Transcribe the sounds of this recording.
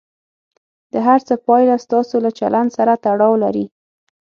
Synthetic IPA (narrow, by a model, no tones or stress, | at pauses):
d̪̥əɦaɾt͡səpɑjlast̪ɑsolat͡ʃa̰lʔand̪saɾat̪aɽɑwlaɾi